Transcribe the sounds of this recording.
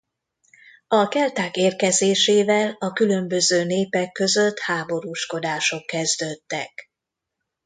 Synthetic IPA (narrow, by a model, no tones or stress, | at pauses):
ɒkɛlt̪aːkeːrkɛzeːʃeːvɛlɒkylø̞mbø̞zøːneːpɛkːø̞zøt̪haːbo̞ɾuːʃko̞d̪aːʃo̞kːɛzd̪øːt̪ːɛ̰k